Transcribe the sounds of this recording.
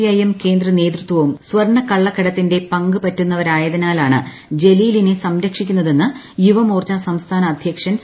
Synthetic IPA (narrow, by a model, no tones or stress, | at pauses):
jɐjɐmke̞ːnd̪rɐne̞ːd̪rɨt̪ʋɐʋumsʋɐrɳɐkɐɭːɐkːɐɽɐt̪ːinde̞pɐŋɡɨpɐtːunːɐʋɐɾaːjɐðɐnaːlaːɳɨ̰ | d͡ʑe̞liːlinesɐmɾɐkʂikʲːunːɐðe̞nːɨ | juʋɐmoːrt͡ɕːasɐmst̪ʰaːnɐːd̪ʱjɐkʂɐns